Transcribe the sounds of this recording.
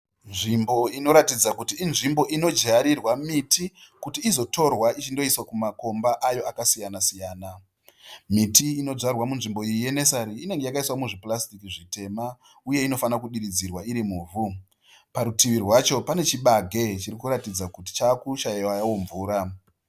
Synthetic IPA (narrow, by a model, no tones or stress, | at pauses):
nʐimbo̞ino̞ɾatid͡zakutiːnʐimbo̞ʔino̞d͡ʒaɾirwamitikutiːzo̞to̞rwait͡ʃindo̞iswakumako̞mbaʔajo̞akasijanasijaːna | mitiːno̞d͡zarwamunʐimbo̞ijije̞ne̞saɾiːne̞ŋɡe̞jakaiswamuʐiplastikiʐite̞ma | uje̞ino̞fanakuɗiɾid͡zirwaiɾimuːvu | paɾutiʋirwat͡ʃo̞pane̞t͡ʃiɓaɡʱe̞t͡ʃiɾikuɾatid͡zakuti̥t͡ʃakuʃajiwajawo̞ɱvuːɾa